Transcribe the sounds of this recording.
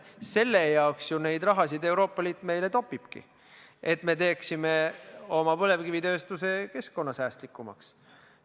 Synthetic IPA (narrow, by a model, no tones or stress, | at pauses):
se̞lːe̞jɑoksjune̞jd̪rɑɦɑsid̪e̞wɾo̞ːpˑːɑliːt̪ːˑme̞jle̞t̪o̞pːˑib̥kḭ | e̞t̪me̞t̪e̞ːksime̞o̞mɑpɤle̞vkivit̪ø̞ːst̪use̞ke̞skko̞nːɑsæːst̪likːˑumɑ̰ks